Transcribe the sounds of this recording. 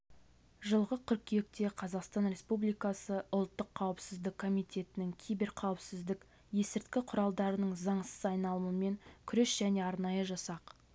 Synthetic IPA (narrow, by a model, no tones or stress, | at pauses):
ʒəlˠʁəkʲʰʏɾkʲʰijek̚t̪e̞qʰɑzɑqst̪ɑnɾe̞spublijkɑsəʊlˠt̪ːəqʰːɑwəpsɪzd̪ɪkʰːo̞mijt̪ʲʰe̞t̪ɪnɪŋkʲʰijbe̞ɾqʰɑwəpsɪzd̪ɪk | je̞sɪɾt̪kʲɪqʰʊɾɑlˠd̪ɑɾənəɴzɑɴsə̥zɑjnɑlˠməəme̞ŋkʲʰʏɾesʒ̥æne̞ɑɾnɑjəʒɑsɑq